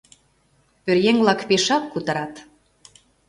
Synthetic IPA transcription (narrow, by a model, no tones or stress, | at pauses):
pørjeŋβlɑkpeʃɑkkut̪ə̆ɾɑt̪